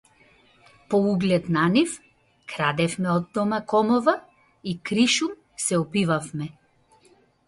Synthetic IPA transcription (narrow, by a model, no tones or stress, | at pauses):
pɔuɡlɛt̪nanif | kɾad̪ɛfmɛɔd̪ːɔmakɔmɔva | ikɾiʃum | sɛɔpivafmɛ